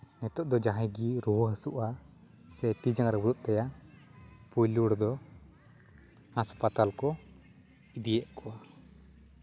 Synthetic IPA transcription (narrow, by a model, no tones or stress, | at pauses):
nɛt̪ɔʔd̪ɔd͡ʒaɦãjɡiɾuwɔɦəsuʔa | sɛt̪id͡ʒaŋɾɛbuɾuʔt̪ɛjaʔ | pujluɽd̪ɔ | haspat̪alkɔ | id̪ijɛʔkʰɔa